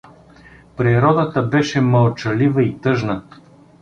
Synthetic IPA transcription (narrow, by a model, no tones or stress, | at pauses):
pɾiɾɔd̪ət̪əbɛʃɛmɐlˠt͡ʃɐlivəit̪ɤʒnə